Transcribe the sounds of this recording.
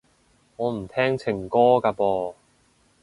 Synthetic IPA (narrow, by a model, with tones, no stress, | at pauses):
ŋɔː˨˧m̩˨˩t̪ʰɛː˥ŋt͡sʰɪ˨˩ŋkɔː˥kaː˧pɔː˧